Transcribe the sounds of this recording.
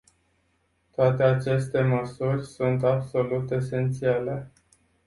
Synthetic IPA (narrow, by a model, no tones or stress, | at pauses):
t̪oat̪e̞at͡ʃe̞st̪e̞məsurʲsunt̪abso̞lut̪e̞se̞nt̪siale̞